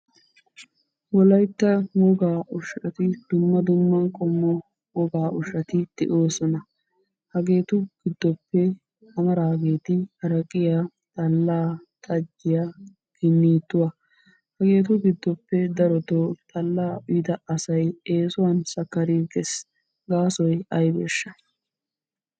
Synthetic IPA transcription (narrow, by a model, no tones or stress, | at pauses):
wɔlɐjt̪ːɐwɔɡaːʔʊʃɐt̪ɪd̪̥ʊmːɐd̪ʊmːɐkʼɔmːɔ | wɔɡaːʔʊʃɐt̪ɪd̪̥ɪ̰ʔo̞ːsɔnɐ | hɐɡe̞ːt̪ʊɡ̥ɪd̪ːɔpːɛ | hɐmɐɾaːɡeːt̪ɪhɐɾɐkʼːɪjaː | t̪ʼɐlːaːt̪ʼɐd͡ʒːɪja | ɡ̥ɪnːiːt̪ːʊwa | hɐɡe̞ːt̪ʊɡɪd̪ːɔpːɛd̪ɐɾɔt̪ot̪ʼɐlːaːʊjɪd̪ɐɐsɐjeːsʊwɐnsɐkːɐɾiːɡɛs | ɡaːsɔjɐjbḛːʃːɐ̥